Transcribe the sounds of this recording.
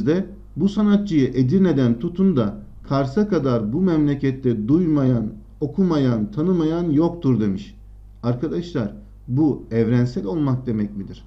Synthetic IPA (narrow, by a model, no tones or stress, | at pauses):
d̪ɛ | busanat̪̚t͡ʃɯjɯʔe̞d̪iɾne̞d̪ænt̪ʰut̪ʰund̪a | kʰaɾsakad̪aɾbumɛmlʲecʰɛt̪lːɛd̪ujmajan | o̞kʰumajant̪ʰanɯmajanjo̞k̚t̪ʰuɾd̪e̞miʃ | aɾkʰad̪aʃlˠaɾ | buɛvɾænsɛlʲo̞lˠmak̚d̪e̞mɛcmid̪iɾ̥